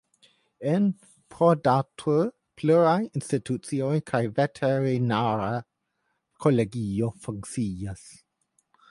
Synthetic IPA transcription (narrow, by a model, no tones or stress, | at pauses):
en | pʰodatʰu | pʰluɾajinstitʰut͡siojkʰajvetʰeɹinaɾa | kʰoleɡiofuŋksias